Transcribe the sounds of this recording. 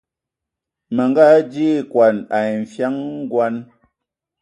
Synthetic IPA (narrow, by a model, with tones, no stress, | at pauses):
mə˨ŋɡa˦d͡ʒi˦kwa˨na˨ɱ̩˨fja˦ŋ˦ɡwa˦n